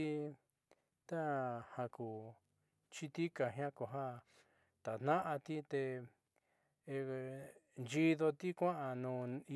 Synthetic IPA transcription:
i˧ | t̪a˦hã˧ku˨ | t͡ʃi˧t̪i˦ka˧˨ɦã˦ko˨ɦã˦ | t̪a˨n̥nã˦ʔa˧t̪i˦t̪e˧ | nd͡ʒi˧ðo˧t̪i˦kʷã˦ʔã˧nũː˨˧˨i˧

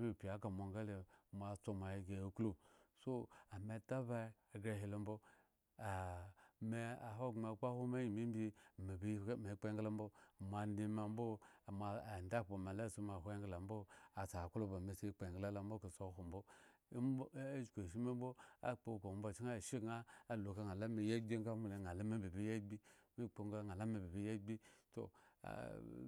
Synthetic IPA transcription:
me˨pʲi˨a˦ka˨mo˨ŋɡa˦le˨mʷa˨t͡so˦ma˨ji˨ɡe˨klu˦so˦a˨me˦ta˦ba˦i˦a˨ɡe˨ɦe˨lo˨mbo˦ | a˨me˨a˨ɦo˦ɡma˨k͡pa˦ho˦ma˦ji˨mi˦bi˦˨me˨bi˦˨me˨˦k͡pe˦ŋɡla˦m˦bo˦˨ma˨n˦di˦ma˨m˦bo˦˨ma˨nda˦po˨ma˨la˦˨so˦ma˨ɦʷo˦ŋɡla˨m˦bo˦a˨sa˨ku˦lo˦ba˨me˨se˦k͡pe˨ŋɡla˦la˦mbo˦ka˨so˦ɦo˨mbo˦ | d͡ʒkʷe˨ʃ̬i˦me˦m˦bo˦a̰˦k͡po˨ko˨m˦bo˨t͡ʃi˦ŋa˦˨ʃi˦ɡŋa˦a˨lo˨ka˨ŋa˨la˦me˨ja˦ɡ͡bi˦ŋ˦ka˦mu˦˨e˨ŋa˨la˦me˦bi˨bi˦ja˦ɡ͡bi˦mi˦k͡po˨ŋɡa˦ŋa˨la˦me˨bi˨bi˦ja˦ɡ͡bi˦to̰˨a̰˨

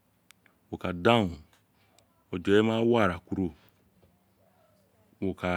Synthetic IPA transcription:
wo˨ka˨dã˦ŋu˨ | o˨d͡ʒɔ˨˦ɛ˦ma˦wa˦˨ɾa˨ku˦ɾo˦ | wo˨ka˨

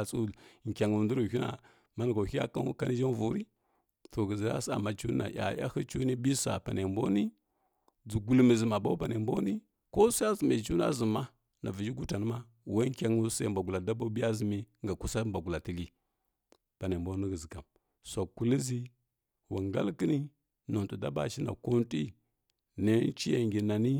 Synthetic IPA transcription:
t͡su˦lŋ˨kʲa˨ŋu˨ndu˦ɾu˨hʲi˦na̰˨ | ma˦n˨ɡa˨hi˦ja̰˦ka˦ka˦ni˦ʒa˦n˦vu˨˦ɾi˦ | to˨ɡə˨zi˨ɾa̰˦sa̰˨ma˨t͡ʃu˦n̰˦na̰˨ja̰˨ja̰˦hə˦t͡ʃu˦ni˦bi˦sa̰˨pa˨ne˨mbo˦ni˦ | d͡zu˨ɡu˨lmi˨zi˨ma˨ba˦pa˨ne˨mbo˦ni˦ | ko˦sa˦a˦zə˨ma˨t͡ʃu˦n˦a̰˦zə˨ma˦ | na˨vi˨d͡ʒi˦ɡu˦ta˨n˦ma˦ | wa˦kʲa˦ŋu˦sa˦˨mba˨ɡu˨la˨da˦ba˦bi˦ja˦zi˨mi˦ŋɡa˨ku˦sa˦mba˨ɡu˨la˨ti˨li˦ | pa˨ne˨bo˦ni˦ɡə˨zi˨ka˨m | sa˨ku˨li˦zi˦ | wa˨ŋɡa̰˦lkə˦ni˦ | no˨tu˨da̰˦ba̰˨ʃi˦na̰˨ko˦n˦ti˦ | ne˦nt͡ʃi˦ja˨ŋɡi˨na˨ni˦

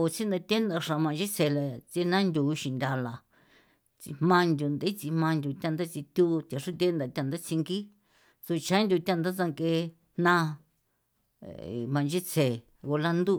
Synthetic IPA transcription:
o˨t͡si˦nd̪a˧t̪ʲe˦nd̪a˧ʂã˨˧mã˧nd͡ʒi˦t͡se˨la˨t͡si˧˦nã˦nd̪ʲu˨˧ʃĩ˨nd̪ʲa˧la˨ | t͡sḭ˧hmã˧nd̪ʲu˧nd̪e˦t͡si˧mã˧nd̪ʲu˧t̪ʲã˧nd̪a˦t͡si˧t̪ʲu˦˧t̪ʲa˨ʂu˦t̪ʲe˦nd̪a˧˨t̪ʲa˦˧nd̪a˦t͡si˧ŋɡi˦ | so˧t͡ʃã˦nd̪ʲu˧t̪ʲa˦˧nd̪a˦t͡sa˧ŋke˧ | nã˦˨ | mã˧nd͡ʒi˦t͡se˨ | ɣo˧la˦nd̪u˦

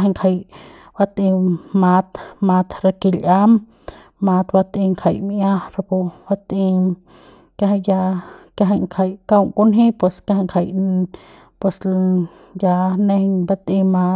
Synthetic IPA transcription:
ɦa˧ŋkʰa˧˨j | ba˧t̪ʔĩ˧ma˧t̪ma˧t̪ɾa˧ki˧lʔa˦m | ma˧t̪ba˧t̪ĩ˧ŋkʰa˧jmʔjã˦ɾa˧pu˧ba˧t̪i˧ | kja˧ɦa˧ja˧kja˧ɦa˧jŋkʰa˧jka˦˧wŋku˦nɦĩ˦pwe˧skja˧ha˧ŋkʰa˧˨j | pwe˧s | ja˧nẽ˧hɲba˧t̪ĩ˧ma˧

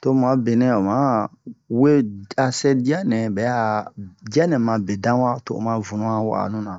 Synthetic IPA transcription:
to˦m˨ã˨˦be˨nɛ̃˨o˨mã˨˦ | we˦a˨sɛ˦di˦a˦nɛ̃˨bɛ˨˦a˨da˦nɛ̃˨mã˨be˨dã˦wa˦to̰˨o̰˨mã˨vũ˨nũ˦ã˦wa̰˨nũ˦nã˨

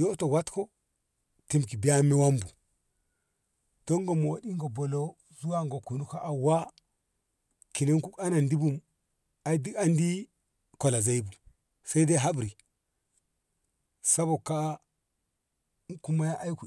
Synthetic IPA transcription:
jo˦to˨wa˦tko˦ | ti˦mki˨bi˦ja˦mːe˦wa˦mbu˨ | d̥o˦ŋɡo˨mo˨˦di˦ŋɡo˨bo˨lo˦ | zu˦wa˦ŋɡo˨ku˨nu˦ka˦ʔa˨wa˦ | ki˨ne˦ŋku˦ka˦na˨ndi˦bu˦m | a˦di˦a˦ndi˦ | ko˨la˨za˦i˦bu˨ | sa˦i˦de˦ɦa˦bɾi˨ | sa˦bo˨ka˦ | ku˦ma˦ja˦ʔa˦jku˨

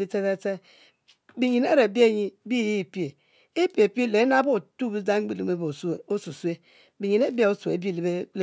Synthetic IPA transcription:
i˦t͡se˦te˦t͡se˦ | bi˨ɲi˨ne˦ɾe˨bi˦e˦˨ɲi˦bi˦˨ji˦˨pi˦e˨ | e˦pi˦˨e˨pi˦e˦le˨˦na˦bo˦˨tu˦˨bi˦d͡za˦ŋ͡m̩˦i˦li˨me˨˦bo˨su˦e˨o˦su˨su˦e˦ | bi˨ɲi˨ne˦bi˦a˦˨o˦su˨ḛ˨bi˦˨le˨be˦l

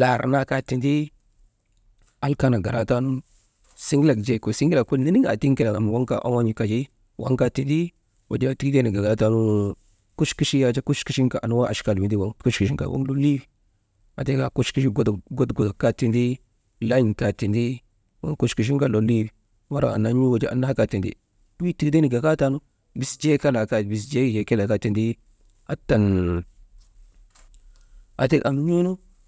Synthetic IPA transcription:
la˨ɾna˦ka˦ti˨ndi˦ | a˦lka˦na˨ɡa˨ɾa˨ta˦nu˦ | si˦ŋɡla˨kd͡ʒe˨ko˨si˦ŋɡi˦la˨ku˦lni˦ni˦ŋa̰˨ti˦ŋki˦la˨a˨m˨wa˦ŋka̰˨ʔa̰˦wa˦ɲi˦ka˨d͡ʒi˦ | wa̰˦ŋka˦ti˨ndi˦ | wa˨d͡ʒa˦a˦ti˦ki˦te˦ni˨ɡa˨ɡa˨ɾa˦ta˦nu˦ | ku˦ʃki˦ʃi˦ja˨d͡ʒa˦ku˦ʃki˦ʃi˦ŋka˨ʔa̰˨u˦wa˦ʔa̰˨ʃka˨lwi˨ndi˦wa˦ŋ˦ku˦ʃki˨ʃi˦ŋka̰˨wo̰˦ŋlo˦li˦w | a˨te˦ka˨ku˦ʃki˦ʃ̬i˦ɡo˦dɡo˦tɡo˨dka˦ti˨ndi˦ | la˦i˨nta˨ti˨ndi˦ | wo̰˦ŋku˦ʃki˨ʃ̬i˦ka˦˨lo˨li˦wi˨ | wa˦ɾa̰˨a̰˨na˨˦ɲ˦u˦wo˨d͡ʒi˦ʔa̰˨na˦ha˦ka˨ti˨ndḭ˦ | i˦ti˨kde˦ni˨ɡa˨ka˦ta˨nu˦ | bi˨sd͡ʒe˦ka˦la˨ka˨bi˨s̬d͡ʒe˦d͡ʒe˨ke˦la˨ka˦ti˨ndi˦ | a˦ta˨n | a̰˨te˦kʔa̰˨nu˦ɲo˦nu˦

